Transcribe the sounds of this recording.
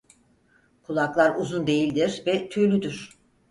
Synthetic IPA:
kʰulˠaklˠaɾuzund̪e̞jilʲd̪iɾvɛt̪ʰylʲyd̪yɾ̥

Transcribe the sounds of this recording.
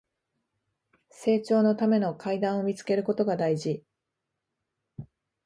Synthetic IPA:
se̞ːt͡ɕo̞ːno̞t̪ame̞no̞kʰaid̪ãɰ̃o̞mʲit͡sɨ̥ke̞ɾɯ̟ko̞t̪o̞ɡad̪aiʑi

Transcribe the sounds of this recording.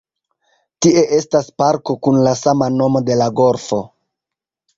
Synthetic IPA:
tiʔe̞ʔe̞staspaɾko̞kunlasamano̞mo̞de̞laɡo̞ɾfo̞

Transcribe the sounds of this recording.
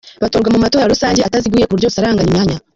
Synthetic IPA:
βatoːɾɡwamumato̞ːɾaɾusaːɲɟeataziɡwuiːjekuuɾjousaɾaːŋɡaɲimɲaːɲa

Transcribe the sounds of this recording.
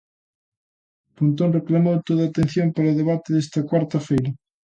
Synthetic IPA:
punt̪onreklamowt̪oðaːt̪ẽn̟θjompaɾaoðeβ̞at̪eðest̪ɐkwaɾt̪ɐfejɾɐ

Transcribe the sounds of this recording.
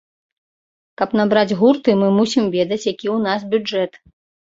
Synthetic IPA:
kɐpnabɾad͡zʲɣurt̪ɨmɨmusʲimvʲɛd̪ɐt͡sʲjakʲiwnas̬bʲud͡ʐɛt̪

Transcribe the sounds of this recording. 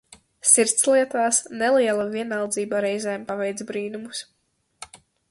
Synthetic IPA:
siɾt̪sliɛt̪aːsnɛlˠiɛlˠaviɛnawˠd̪ziːbaɾɛjzɛːmpavɛjt̪zbɾiːnumus

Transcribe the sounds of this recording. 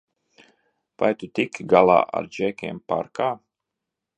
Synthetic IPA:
va̰jt̪ut̪ikʲɡalˠa̰ːʔa̰ɾd͡ʒɛkʲɛɛmpa̰ɾkaː

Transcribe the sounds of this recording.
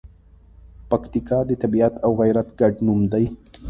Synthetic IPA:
pakt̪ikɑd̪ət̪abiat̪awɣajɾat̪ɡaɖnumd̪aj

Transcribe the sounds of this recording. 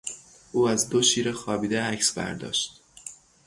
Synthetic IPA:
ʔuːæzd̪o̞ʃiːɾe̞xɒːbiːd̪eæcsbæ̰ɾd̪ɒ̰ːʃt̪

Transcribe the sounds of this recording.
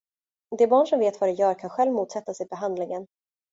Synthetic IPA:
d̪ɛbɑːɳʂɔmveːt̪vaɾɛjœːɾkʰanɧɛlvmuːt̪sɛt̪ːasɪbɛɦand̪lɪŋən

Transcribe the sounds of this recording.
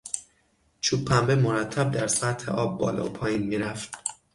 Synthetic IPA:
t͡ʃʰuːpʰːæmbemoɾæt̪ʰːæb̚d̪æɾsæt̪hḛʔɒːbːɒ̰ːlɒ̰opʰɒːjiːnmiːɾæft̪

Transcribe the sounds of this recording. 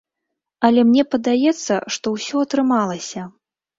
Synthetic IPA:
ɐlʲɛmnʲɛpɐd̪ajɛt̪sːɐ̰ʂt̪ɔwsʲɔɐt̪ɾɨmalˠɐsʲɐ

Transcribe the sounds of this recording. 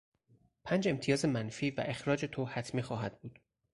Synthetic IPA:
pʰænd͡ʒe̞mt̪ʰijɒːze̞mænfiːvæ̰ʔe̞xɾɒːd͡ʒe̞t̪ʰohæt̪ʰmiːxɒːɦæd̪̥̚buːd̪̥

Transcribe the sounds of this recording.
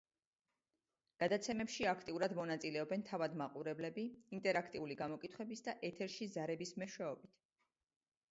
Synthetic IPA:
ɡ̥ad̪at̪sʰɛmɛpʃiakʰt̪ʼiuɾad̪mɔnat̪sʼilɛɔbɛnt̪ʰavad̪maqʼuɾɛblɛbiint̪ʼɛɾakʰt̪ʼiuliɡamɔkʼit̪ʰχwɛbisd̪aʔɛt̪ʰɛɾʃizaɾɛbismɛʃwɛɔbit̪ʰ

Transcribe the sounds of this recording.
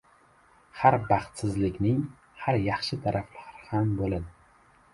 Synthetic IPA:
haɾbɑχt̪sɪzlɪkʲnɪŋ | haɾjɑχʃɪt̪ʰaɾʔaflaɾɪhambolad̪ɪ

